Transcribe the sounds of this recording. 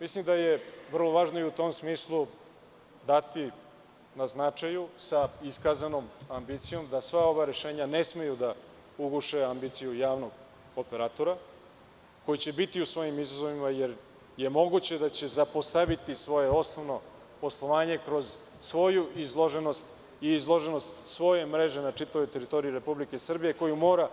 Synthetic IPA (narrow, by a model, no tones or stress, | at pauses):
mislimd̪ajeʋər̩lˠo̞ʋaːʒnoiut̪o̞msmiːslˠu | d̪at̪i | naznat͡ʂajusaiskazanomambit̪sijo̞md̪asʋao̞ʋaɾe̞ʃe̞ːɲane̞sme̞jud̪a | uɡuʃeambit̪sijujaːʋno̞ɡ | opeɾaːt̪o̞ɾa | ko̞jit͡ɕe̞bit̪iusʋo̞ːjimizazo̞ʋimajeɾ | je̞mo̞ɡut͡ɕe̞d̪at͡ɕe̞zapo̞st̪aʋit̪isʋo̞je̞o̞snoʋno̞ | po̞slˠo̞ʋaːɲe̞kɾo̞z | sʋo̞juizlˠo̞ʒe̞no̞st̪ | iizlˠo̞ʒe̞no̞st̪sʋo̞je̞mɾe̞ʒenat͡ʂit̪aʋojt̪e̞ɾit̪o̞ɾiiɾe̞publike̞sr̩bije̞ko̞jumo̞ːɾa